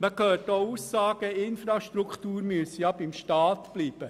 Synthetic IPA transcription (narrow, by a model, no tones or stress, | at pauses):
nɑkʰøːtouːsːɑːɡ̥əɪnfɾɑʃtɾukχtuːɾmyəsəjɑbɪmʃtɑːt̪b̥liːb̥ə